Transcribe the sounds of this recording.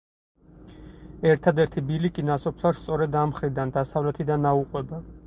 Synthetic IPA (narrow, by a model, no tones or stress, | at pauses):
ɛɾt̪ʰad̪ɛɾt̪ʰibilikʼinasɔpʰlˠaɾst̪sʼɔɾɛd̪amχɾid̪and̪asavlɛt̪ʰid̪anauqʼwɛba